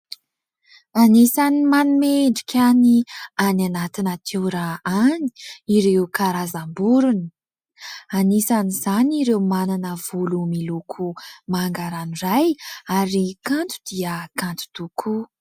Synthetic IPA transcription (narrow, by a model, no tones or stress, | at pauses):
anisanimanumeɳɖ͡ʐi̥kʰʲaniananat̪inət̪ʰewɾaani̥iɾeukaɾazambuɾuni̥ | anisanizaniɾewmananəv̥ulumilukʰumaŋɡaɾanirajaɾikant̪u̥d̪iəkant̪u̥t̪ukʰu